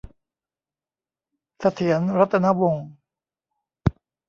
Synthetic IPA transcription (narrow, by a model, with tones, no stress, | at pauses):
sʰa˧t̪ʰi˩˦ənɾa˦˥t̪ːa˧na˦˥wo˧ŋ